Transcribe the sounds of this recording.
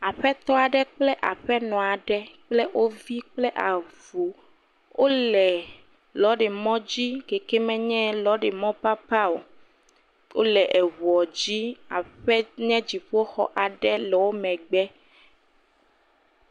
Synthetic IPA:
a˨ɸɛ˦t̪ɔ˦a˨ɖɛ˦k͡plɛ˦ʔa˨ɸɛ˦nɔ̃˨a˨ɖɛ˦k͡plɛ˦ʔwo˦vi˦k͡plɛ˦ʔa˨vu˨ | wo˦lɛ˨ | lɔ˨˦ɖɛ˨mɔ̃˦d͡ʑi˦ɡe˨kɛ˦mɛ̃˦ɲɛ̃˦lɔ˦ɖɛ˨mɔ̃˦pa˦pa˦o˨ | wo̰˦lɛ˨ʔɛ˨βu˨ɔ˨d͡ʑi˦a˨ɸɛ˦ɲɛ̃˦d͡ʑi˨ɸo˦xɔ̰˦ʔa˨ɖɛ˦lɛ˨wo˦mɛ̃˨ɡ͡bɛ˦

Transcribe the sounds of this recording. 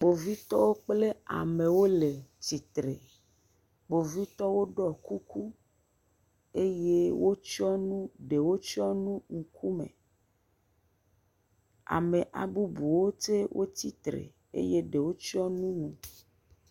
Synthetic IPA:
k͡po˨vi˦t̪ɔ˦wo˦k͡ple˦a̰˨mẽ˨wo˦le˨t̪i˨t̪ɾe˨ | k͡po˨vi˦t̪ɔ˦wo˦ɖɔ˦ku˦ku˦ | e˦je˦wo˦t͡ʃɔ˦nũ˦ɖe˨wo˦t͡ʃɔ˦nũ˦ŋ̩˦kʰu˦mḛ˨ | a̰˨me˨ʔa̰˨bu˦bu˨wo˦t͡se˦wʔo̰˦t̪i˦t̪ɾḛ˨ | ḛ˦je˦ɖe˨wo˦t͡ʃi˦ɔ˦nũ˦nũ˨

